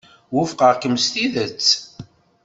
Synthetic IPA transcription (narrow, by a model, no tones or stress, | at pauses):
wʊfqəʁkəmst̪iðət͡sː